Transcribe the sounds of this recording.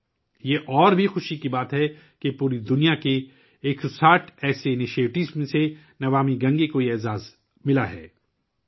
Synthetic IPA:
jeʔɔːɾbʱixʊʃikibaːt̪ɦɛ | kepuːɾid̪ʊnijakeː | ksaːʈʰɛːseɪnɪʃieːʈɪzmẽse | nɐʋaːmiɡɐ̃ŋɡekojɛːzaːz | mɪlaɦɛ̰ː

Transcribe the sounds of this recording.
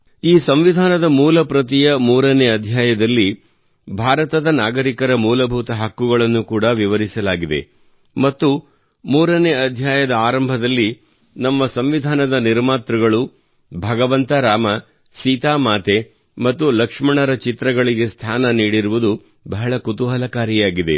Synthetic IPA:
iːsɐmʋid̪ʱaːnɐd̪ɐmuːlɐpɾɐt̪̬ijɐmuːɾɐneɐd̪ʱjaːjɐd̪ɐlːi | bʱaːɾɐt̪ɐd̪ɐnaːɡɐɾikɐɾɐmuːlɐbʱut̪ɐɦɐkːuɡɐɭɐnːukuːɽɐʋiʋɐɾisɐlaːɡid̪e̞̰ | mɐt̪ːu | muːɾɐneɐd̪ʱjaːjɐd̪ɐaːɾɐmbʱɐd̪ɐlːi | nɐmːɐsɐmʋid̪ʱaːnɐd̪ɐniɾmaːt̪ɾɐɡɐɭu | bʱɐɡɐʋɐnt̪ɐɾaːmɐ | siːt̪aːmaːt̪e | mɐt̪ːulɐkʂmɐɳɐɾɐt͡ʃit̪ɾɐɡɐɭiɡe̞st̪ʰaːnɐniːɽiɾuʋud̪u | bɐɦɐɭɐkut̪uɦɐlɐkaːɾijaːɡid̪e̞̰

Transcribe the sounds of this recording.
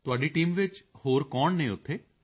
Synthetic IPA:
t̪ʊaːɖiʈiːmʋɪt͡ʃhoːɾkɔːɳneːʊt̪ʰːeː

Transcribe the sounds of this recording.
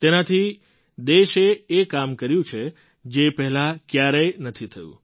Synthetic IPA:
t̪enat̪ʰi | d̪eʃeːkamkəɾjũt͡ʃʰe | d͡ʒepɛɦɛlakjaɾəjnət̪ʰit̪ʰəjṵ̃

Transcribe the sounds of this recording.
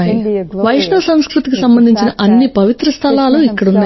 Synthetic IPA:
jiʋɐjʂɳɐʋɐsɐŋskɾut̪ikisɐmbɐnd̪ʱiɲt͡ʃinɐʔɐnːipɐʋit̪ɾɐst̪ʰɐlaːluikːɐɽunːaː

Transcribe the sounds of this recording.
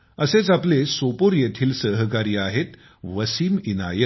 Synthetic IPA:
əset͡saplesopoɾjet̪ʰiːlsəɦkaɾiaɦet̪ | ʋəsiːmina̰jə

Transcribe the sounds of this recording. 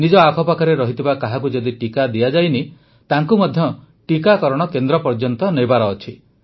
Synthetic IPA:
nid͡ʒɔakʰɔpakʰaɾeɾɔɦit̪ʰibakaɦak̬ud͡ʒɔd̪iʈikad̪iad͡ʒajni | t̪aŋkumɔd̪ʱjɔ | ʈikakɔɾɔɽ̃ɔkend̪ɾɔpɔɾd͡ʒɔnt̪ɔnebaɾɔːt͡ʃʰi

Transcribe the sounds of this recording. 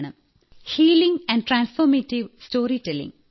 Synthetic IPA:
nɐ̃m | hiːlĩŋæ̃ɳɖ̚ʈɾãːnsfɔːɾmeʈiʋsʈoːɾiʈelḭ̃ŋ

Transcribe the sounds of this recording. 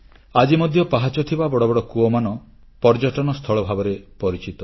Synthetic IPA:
ad͡ʒimɔd̪ʱjɔpaɦat͡ʃɔt̪ʰibabɔɽɔbɔɽɔkuɔmanɔ | pɔɾd͡ʒɔʈɔnɔst̪ʰɔɭɔbʱabɔɾepɔɾit͡ʃit̪ɔ

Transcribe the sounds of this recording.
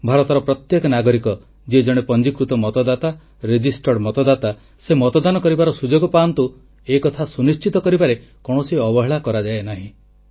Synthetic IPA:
bʱaɾɔt̪ɔɾɔpɾɔt̪jekɔnaɡɔɾikɔ | d͡ʒed͡ʒɔɽ̃epɔnd͡ʒikɾut̪ɔmɔt̪ɔd̪at̪a | ɾed͡ʒisʈɔɽmɔt̪ɔd̪at̪a | semɔt̪ɔd̪anɔkɔɾibaɾɔsud͡ʒoɡɔpant̪u | ekɔt̪ʰasunist͡ʃit̪ɔkɔɾibaɾekɔɽ̃ɔsiɔbɔɦeɭakɔɾad͡ʒaenaɦĩ

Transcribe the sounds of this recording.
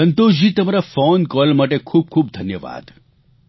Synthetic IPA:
ənt̪od͡ʑiːt̪əmaɾafonkɔlmaʈekʰuːb̚kʰuːb̚d̪ʱənjəʋa̰ːd̪

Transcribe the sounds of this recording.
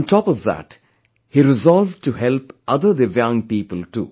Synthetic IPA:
nʈʰɔːpɔvðæ̰ʈ | hiːɾɪzɔlʋɖʈuhɛlpʔʌd̪əd̪ɨvjʌ̃ŋpiːpəlʈṵː

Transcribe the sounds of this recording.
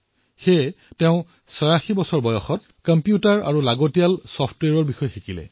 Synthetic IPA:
xeteʊ̃ | sɔjaxibɔsɔɹbɔjɔxɔt̚ | kɔmpjutaɹa̰ɹulaɡotijalsɔpʰtwɛɹɔɹbixɔjɔxikilɛ̰

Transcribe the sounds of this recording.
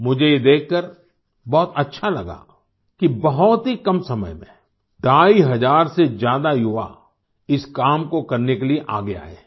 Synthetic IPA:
mʊd͡ʒʱejed̪eːkʰːəɾ | bɔːt̪ɐtːʃʰalɐ̰ɡa̰ | kibɐɦʊt̪ɦikɐmsɐmə̰jmḛ̃ | ɖaːiɦɐzaːɾsed͡ʒjaːd̪ajʊʋa̰ | ɪskaːmkokɐɾnekelieʔa̰ːɡea̰ːḛː

